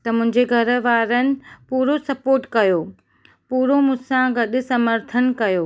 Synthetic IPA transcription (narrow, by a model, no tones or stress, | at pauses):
t̪ɐmʊ̃ɦɪ̃ɲd͡ʑeɡʱɐɾʋaːɾənɪ̆puːɾosɐpoːɾʈkɐjoː | puːɾomʊ̃sãɡɐɗʊ̆sɐməɾt̪ʰənkɐjoː